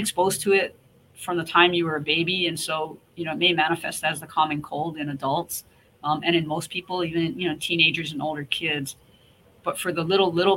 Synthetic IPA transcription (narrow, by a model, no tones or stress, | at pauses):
ɨkspoʊz̥tʰɨɪt̚ | fɹʌ̃mðətʰãɪ̃mjɨwə˞ɨbeɪbiɨ̃nsoʊjɨnoʊt̚meɪmæɾ̃ɨfɛ̰stɨzðɨkʰɑmɨ̃nkʰoʊlˠdɨ̃nɨdʌlˠts | ɨ̃ɾ̃ɨ̃nmoʊspʰipl̩ˠivɨ̃nɨ̃njɨnoʊtʰĩneɪd͡ʒə˞zɨ̃noʊlˠdə˞kʰɪdz̥ | b̥ʌtfə˞ðəlɪɾl̩ˠlɪɾl̩ˠ